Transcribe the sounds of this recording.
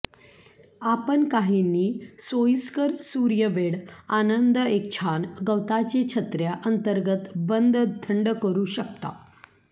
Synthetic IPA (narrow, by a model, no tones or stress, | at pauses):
apənkaɦiniːsojskəɾsuɾjəʋeɽanənd̪ek̚t͡ɕʰanɡəwt̪at͡ɕet͡ɕʰət̪ɾjaʔənt̪əɾɡət̪bənd̪d̪ʱʰəɳɖkəɾuːɕək̚t̪a̰